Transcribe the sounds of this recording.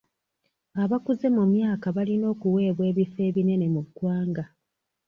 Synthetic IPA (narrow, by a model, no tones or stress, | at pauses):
aβakuze̞mumjaːkaβalino̞ːkuwe̞ːβwe̞ːβife̞ːβine̞ne̞muɡwaːŋɡa